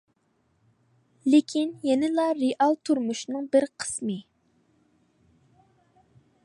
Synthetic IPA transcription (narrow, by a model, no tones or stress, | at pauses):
lɪkʲʰinjɛnɪlˠɑɾeʔɑlˠt̪ʰuɾmuʃnɨŋbɪɾqʰə̥smɨ